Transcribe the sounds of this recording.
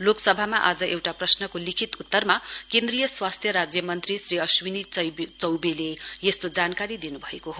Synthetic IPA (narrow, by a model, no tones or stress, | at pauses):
loksʌbʱamaʔad͡zʌʔewʈaprʌsnʌkolikʰit̪ut̪ːʌrmakend̪rijʌswast̪ʰjʌɾad͡zjʌmʌnt̪risriʌswinit͡sʌjt͡sʌwbelejest̪od͡zankaɾid̪inubʱʌekoɦo